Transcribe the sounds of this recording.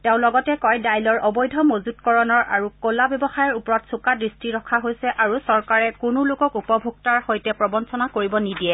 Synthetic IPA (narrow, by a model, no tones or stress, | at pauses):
teʊ̃lɔɡɔtɛkɔjdajlɔɹʔɔbɔjdʱɔmozutkɔɹɔnɔɹʔaɹukolabjɛbɔxajɔɹupɔɹɔtsukadɹistiɹɔkʰaɦojsɛʔaɹusɔɹkaɹɛkunulʊkɔkupɔbʱuɡ̚taɹhojtɛpɹɔbɔnsɔnakoɹibɔnidijɛ